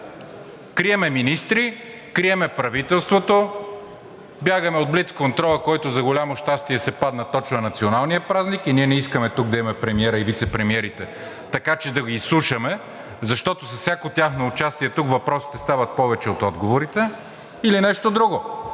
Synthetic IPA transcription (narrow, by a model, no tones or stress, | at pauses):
kɾiɛmɛminist̪ɾi | kɾiɛmɛpɾɐvit̪ɛlˠst̪vot̪o | bjaɡɐmɛod̪̚blit̪skont̪ɾɔlˠɐkɔjt̪ʊzɐɡolʲamoʃt̪ast̪iɛsɛpad̪nɐt̪ɔt͡ʃvɐnɐt̪sionalˠnijəpɾaznikiniɛnɛiskɐmɛt̪uɡ̚d̪ɐimɛpɾɛmiɛɾɐivit̪sɛpɾɛmiɛɾit̪ɛ | t̪ɐkat͡ʃɛd̪ɐɡiːslˠuʃɐmɛ | zɐʃt̪ɔt̪osɐfsʲjakot̪ʲaxnoːt͡ʃast̪iɛt̪ukvɐpɾɔsi̥t̪ɛst̪avɐt̪̚pɔvɛt͡ʃɛot̪ɔd̪ɡovoɾit̪ɛ | ilinɛʃt̪od̪ɾuɡo